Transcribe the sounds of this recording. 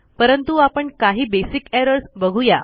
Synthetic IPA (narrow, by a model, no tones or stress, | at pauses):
pəɾənt̪uapəɳkaɦiːbesikɛɾəɾsbəɡʱuja